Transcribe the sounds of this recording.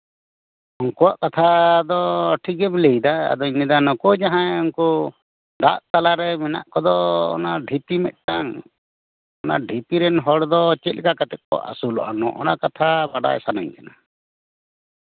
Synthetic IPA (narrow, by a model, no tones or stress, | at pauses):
ɔŋkɔaʔkat̪ʰad̪ɔʈʰikɛmlejd̪aa̰d̪ɔiɲɛd̪anɔkɔd͡ʒaɦãɛɔnkɔ | ɖa̰ʔt̪alaɾɛmɛna̰ʔkɔd̪ɔɔ̰naɖʱit̪imɛ̰t̪̚ˀʈaŋ | ɔna̰ɖʱip̪iɾɛnɦɔɽd̪ɔt͡ʃɛt̪̚lɛkakat̪ɛʔ̚kɔ̰ʔa̰sulɔ̰ʔanɔʔɔ̰nakat̪ʰabaɖa̰jsanaɲkana